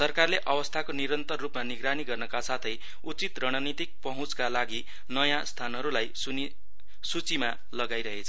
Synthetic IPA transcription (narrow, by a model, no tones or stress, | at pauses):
sʌrkarleʔʌbʌst̪ʰakoniɾʌnt̪ʌrːupmaniɡɾaniɡʌrnʌkasat̪ʰʌj | ut͡sit̪rʌɽ̃ʌnit̪ik̚pʌɦũt͡skalaɡi | nʌjãst̪ʰanɦʌɾulajsuni | sut͡sima | lʌɡajɾʌɦet͡sʰʌ